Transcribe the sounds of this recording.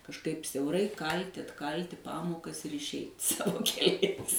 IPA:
kɐʃˈkɐɪp sʲɛʊˈrɐɪ ˈkɐlʲtʲɪ ɐtˈkɐlʲtʲɪ ˈpɑːmoːkɐs ɪr ɪʃʲˈɛɪt ˈsɑːʋoː kʲɛˈlʲɛɪs

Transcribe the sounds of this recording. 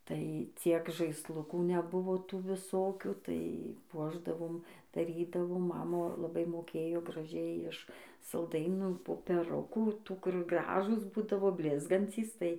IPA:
tɐɪ ˈt͡sʲiɛk ʒɐɪsˈlˠʊkuː nʲɛˈbʊʋoː ˈtuː ʋʲɪˈsoːkʲuː tɐɪ ˈpuɔʒdɐʋoːm dɐˈrʲiːdɐʋoː ˈmɑːmɐ lˠɐˈbɐɪ moːˈkʲeːjoː ɡrɐˈʒʲɛɪ ɪʃ sɐlˠˈdɐɪnuː poːpʲɛˈrʊkuː ˈtuː kʊr ˈɡrɑːʒuːs ˈbuːdɐʋoː ˈbʲlʲɪzɡɐnʲt͡sʲiːs tɐɪ

